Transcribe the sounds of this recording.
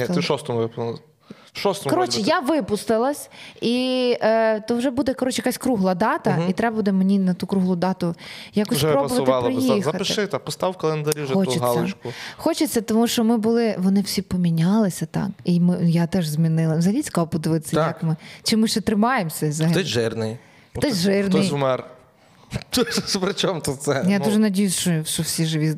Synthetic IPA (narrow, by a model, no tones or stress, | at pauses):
ɛɪʃɔst̪ɔmʋɪp̪ | ʃɔst̪ɔkɔɾɔt͡ʃɪjaʋɪpʊst̪ɪlˠɐsʲi | t̪ɔwʒɛbud̪ɛjkɔɾɔt͡ʃɪjɐkasʲkɾuɦlˠɐd̪ɑt̪ɐit̪ɾɛbɐbud̪ɛmenʲinɐt̪ukɾuɦlˠʊd̪ɑt̪ʊjakɔssʲɛpɾɔbʊʋʋɐt̪ɪlp̪ɾɪjixzɐɐtpɪʃɪt̪ɛpɔst̪ɑwwkɐlˠend̪ɐɾʲiʒɛxɔt͡ʃɪɦsɑlˠʲːɪɐt͡ʃkʊxɔt͡ʃɪt͡sʲːɐt̪ɔmuʃt͡ʃɔmɪbʊlˠɪʋɔnɪwsʲipɔmʲinʲɑlˠɪsʲɐt̪ɑ̰kimɪjat̪ɛʒzʲmʲinɪlˠɐzɐɦɐlʲisʲklˠpɔd̪ɪʋɪt̪ɪ̥sʲɐjɐkmɪt͡ʃɪmɪʃt͡ʃɛt̪ɾɪmɑjemsʲɛzɐɦɐlɔʒɪrnɪj | t̪ɔsʲʒɪrnɪjmɛr | t̪spɾɪt͡ʃɔmt̪usɛjad̪uʒɛnɐdʲijʊst͡ʃɔʃt͡ʃɔwsʲiʒɪʋʲi